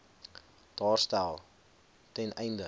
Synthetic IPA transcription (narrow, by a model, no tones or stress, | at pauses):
d̥ɑːrstælˠ | tɛnɛjndə